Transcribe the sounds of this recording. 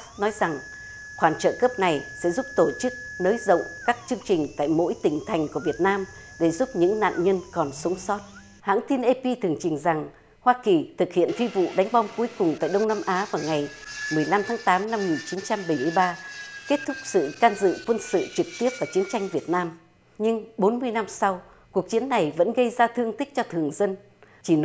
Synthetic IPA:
nɔ˨˦jza˨˩ŋ | xwaː˧˩nt͡ɕə̰ː˧˨kəː˦˥p̚na˨˩jsɛ̰˧˥zu˦˥p̚t̪o˧˩t͡ɕɨ˦˥k̚nəː˨˦jzə̰˧˨wŋ͡mkaː˦˥k̚t͡ɕɨ˧əŋt͡ɕï˨˩ŋ̟t̪a̰ː˧˨jmo̰˧˥jt̪ï˨˩ŋ̟t̪ʰa˨˩jŋ̟ku˧˩əvi˨˩ət̚naː˧mɗe˧˩zu˦˥p̚ɲɨ̰˧˥ŋna̰ː˧˨nɲə˧nkɔ˨˩nsə˨˦wŋ͡msɔ˦˥t̚ | ha̰ː˧˥ŋt̪i˧nʔe˧pi˧t̪ʰɨ˨˩əŋt͡ɕï˨˩ŋ̟za˨˩ŋ | hwaː˧ki˨˩t̪ʰɨ˨˩k̚hḭ˧˨ənt̪ʰi˧vṵ˧˨ɗa˨˦jŋ̟ɓɔ˧wŋ͡mku˨˦jkʊ˨˩ŋ͡mt̪a̰ː˧˨jɗə˧wŋ͡mnaː˧mʔaː˨˦vaː˨˩wŋa˨˩j | mɨ˨˩əjla˧mt̪ʰaː˨˦ŋt̪aː˨˦mna˧mŋi˨˩nt͡ɕi˨˦nt͡ɕa˧mɓə˨˧˩jmɨ˧ə˧jɓaː˧ke˦˥t̚t̪ʰʊ˦˥k̚sɨ̰˧˨kaː˧nzɨ̰˧˨kwə˧nsɨ̰˧˨t͡ɕɨ˨˩k̚t̪i˦˥əp̚vaː˨˩t͡ɕi˨˦ənt͡ɕa˧jŋ̟vi˨˩ət̚naː˧m | ɲɨ˧ŋɓo˨˦nmɨ˧əjna˧msa˧w | ku˨˩ək̚t͡ɕi˨˦ənːa˨˩jvə̰˧˥nɣə˧jzaː˧t̪ʰɨ˧əŋt̪ï̟˦˥t͡ɕɔ˧t̪ʰɨ˨˩əŋzə˧n | t͡ɕi˧˩

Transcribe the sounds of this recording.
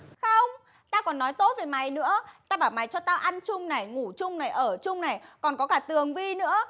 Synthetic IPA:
xə˧wŋ͡m | t̪aː˧kɔ˨˩nːɔ˨˦jt̪o̰˧˥veː˨˩jma˨˩jnɨ̰˧˥ət̪aː˧ɓaː˧˩wma˨˩jt͡ɕɔ˧t̪aː˧ʔa˧nt͡ɕʊ˧ŋ͡mna˨˩jŋu˧˩t͡ɕʊ˧ŋ͡mna˨˩jʔəː˧˩t͡ɕʊ˧ŋ͡mna˨˩jkɔ˨˩nkɔ˨˦kaː˧˩t̪ɨ˨˩əŋvi˧nɨ̰˧˥ə

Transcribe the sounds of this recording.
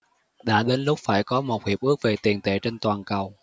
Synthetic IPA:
ɗa̰ː˧˥ɗe˨˦nlʊ˦˥k͡p̚faː˧˩jkɔ˨˦mo˨˩t̚hi˨˩p̚ʔɨ˦˥ək̚ve˨˩t̪i˨˩ənt̪ḛ˧˩t͡ɕe˧nt̪waː˨˩nkə˨˩w

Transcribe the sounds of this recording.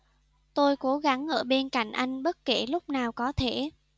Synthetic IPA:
t̪o˧jko˨˦ɣa˨˦ŋʔəː˧˩ɓe˧nka̰˧˩jŋ̟ʔa˧jŋ̟ɓə˦˥t̚ke˧˩lʊ˦˥k͡p̚naː˨˩wkɔ˨˦t̪ʰe˧˩

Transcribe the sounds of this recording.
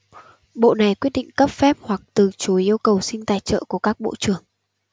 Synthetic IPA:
ɓo̰˧˨na˨˩jkwi˦˥t̚ɗḭ˧˨ŋ̟kə˦˥p̚fɛ˦˥p̚hwa˨˩k̚t̪ɨ˨˩t͡ɕu˨˦jʔi˧əwkə˨˩wsï˧ŋ̟t̪aː˧˩jt͡ɕə̰ː˧˨ku˧˩əkaː˦˥k̚ɓo̰˧˨t͡ɕɨ˧˩əŋ

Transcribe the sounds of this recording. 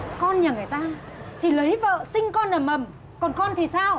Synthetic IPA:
kɔ˧nɲaː˨˩ŋɨ˨˩əjt̪aː˧ | t̪ʰi˨˩lə˨˦jvə̰ː˧˨sï˧ŋ̟kɔ˧nlaː˨˩mə˨˩m | kɔ˨˩nkɔ˧nt̪ʰi˨˩saː˧w

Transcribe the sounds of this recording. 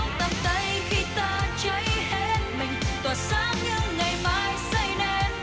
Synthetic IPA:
t̪ə˨˩mt̪ə˧˦j | xi˧t̪aː˧t͡ɕə˧˦jhe˧˦t̚mï˨˩ŋ̟t̪ə˨˩t̚saː˧˥ŋɲɨ˧˥ŋŋɨ˨˩jmaː˧˦jsə˧˩jne˧˩

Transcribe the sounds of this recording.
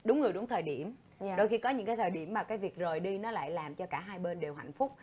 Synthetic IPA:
ɗʊ˨˦ŋ͡mŋɨ˨˩əjɗʊ˨˦ŋ͡mt̪ʰəː˨˩jɗi˧˩əm | ɗo˧jxi˧kɔ˨˦ɲɨ̰˧˥ŋkaː˨˦jt̪ʰəː˨˩jɗi˧˩əmːaː˨˩kaː˨˦jvi˨˩ək̚zə˨˩jɗi˧nɔ˨˦la̰ː˧˨jlaː˨˩mt͡ɕɔ˧kaː˧˩ɦaː˧jɓe˧nɗe˨˩wɦa̰˧˨jŋ̟fʊ˦˥k͡p̚

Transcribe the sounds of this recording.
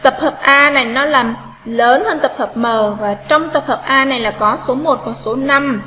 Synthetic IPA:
t̪ə˨˩p̚həː˨˩p̚ʔaː˧na˨˩jnɔ˨˦laː˨˩m | ləː˨˦nhəː˧nt̪ə˨˩p̚həː˨˩p̚məː˨˩vaː˨˩t͡ɕɔ˧wŋ͡mt̪ə˨˩p̚həː˨˩p̚ʔaː˧na˨˩jlaː˨˩kɔ˨˦so˨˦mo˨˩t̚vɔ˨˩so˨˦na˧m

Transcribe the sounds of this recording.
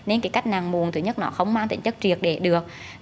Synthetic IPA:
ne˧nkaː˨˦ka˦˥jk̟̚naː˨˩ŋmu˨˩ənt̪ɨ˨˧˩ɲə˦˥t̚nɔ̰˧˦xə˧wŋ͡mmaː˧ŋt̪ï˧˩ŋ̟t͡ɕə˦˥k̚t͡ɕi˨˩ək̚ɗe˧˩ɗɨ˨˩ək̚

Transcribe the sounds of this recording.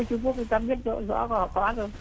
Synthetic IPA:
t͡ɕʊ˧˦ŋ͡mku˦˥ək̚i˧˩kaː˧˩mɓi˦˥ət̚zo̰˧˨zɔ̰˧˥kɔ˨˧˩hɔ̰˧˨kɔ˧˦a˦zo˨˩

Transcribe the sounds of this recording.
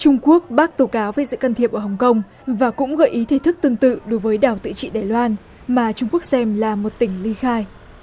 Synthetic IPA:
t͡ɕʊ˧ŋ͡mku˦˥ək̚ɓaː˦˥k̚t̪o˧˩kaː˨˦wveː˧˨˩zɨ̰˧˨ka˧nt̪ʰi˨˩əp̚ʔə˧˩ɦə˨˩wŋ͡mkə˧wŋ͡m | vaː˨˩kʊ̰˧˥ŋ͡mɣə̰ː˧˨jʔi˨˦t̪ʰe˧˩t̪ʰɨ˦˥k̚t̪ɨ˧əŋt̪ɨ̰˧˨ɗo˨˦jvəː˨˦jɗaː˨˩wt̪ɨ̰˧˨t͡ɕḭ˧˨ɗaː˨˩jlwaː˧n | maː˨˩t͡ɕʊ˧ŋ͡mku˦˥ək̚sɛ˧mlaː˨˩mo˨˩t̚t̪ï˧˩ŋ̟li˧xaː˧j

